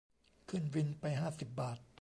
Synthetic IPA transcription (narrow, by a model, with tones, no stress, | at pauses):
kʰɯ˥˩nwi˧npa˧jɦaː˥˩si˨˩p̚baː˨˩t̪̚